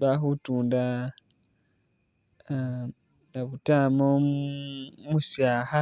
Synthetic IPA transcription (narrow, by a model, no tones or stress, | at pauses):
βaxutuːnda | naβutamo | musjaːha